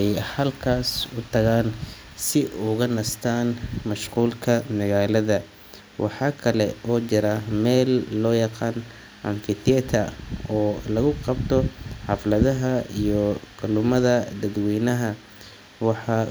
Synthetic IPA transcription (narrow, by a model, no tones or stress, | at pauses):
ɛjhɐlkʰaːsʊt̪ʰɐɣaːn | sɪʔʊɣɐnɐst̪ʰaːnmɐʃquːlkʰɐmɐɣaːlɐðɐ | wʔɑ̰ħɑːkʰɐlɛɔːt͡ʃɪɾɐmɛːlːɔːjɑqɑːn | ʔɐnfɪt̪ʰɛt̪ʰɐɔːlɐɣʊqɑbt̪ʰɔħɑflɐðɐɦɐijɔqʊlʊmɐðɐd̪ɐd̪wɛːnɐɦɐ | wɑħɑ